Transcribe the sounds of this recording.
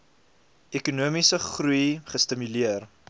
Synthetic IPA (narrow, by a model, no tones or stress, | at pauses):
ekunuəmisəχrujχəstəmyliər